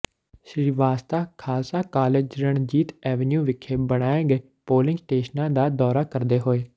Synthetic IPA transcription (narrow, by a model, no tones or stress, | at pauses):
ʃɾiːʋaːst̪aːkʰaːlsaːkaːleːd͡ʒɾəɳd͡ʒiːt̪ɛːʋənjũːʋɪkʰːeːbəɽ̃aːeːɡəeː | poːlɪ̃ŋɡsʈeːʃnãːd̪aːd̪ɔːɾaːkəɾd̪eːɦoːeː